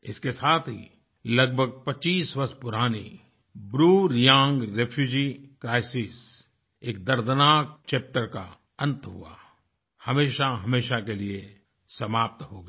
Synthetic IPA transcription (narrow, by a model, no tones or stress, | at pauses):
ɪ̰skesaːt̪ʰɦḭ | lɐɡbʱəɡ̚pɐt͡ʃiːswɐɾspʊɾaːni | bɾuːɾjãːŋɡɾeːpʰjuːd͡ʒikɾaːɪsiːs | eːk̚d̪ɐɾd̪naːk̚t͡ʃeːp̚ʈəɾka̰ | ɐ̃nt̪ɦṵa̰ | hɐmeːʃaɦɐmeːʃakelie | sɐmaːp̚t̪ɦoːɡ